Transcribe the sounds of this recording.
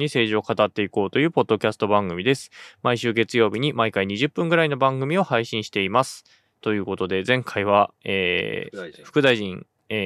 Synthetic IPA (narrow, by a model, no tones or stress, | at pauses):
ɲ̟ise̞ːʑio̞kat̪at̪ːe̞iko̞ːt̪o̞jɯ̟ːpo̞d̪ːo̞kʲasɨ̥t̪o̞bãŋɡɯ̟mʲid̪e̞sɨ̥maiɕɨːɡe̞t͡sɨjo̞ːbʲiɲ̟imaikaiɲ̟iʑɨpːɯ̟̃ŋɡɯ̟ɾaino̞bãŋɡɯ̟mʲio̞haiɕĩɕi̥t̪e̞imasɨ̥ | t̪o̞jɯ̟ːko̞t̪o̞d̪e̞zẽ̞ŋkʰaiβ̞aḛː | ɸɯ̟̥kɯ̟d̪aiʑĩŋ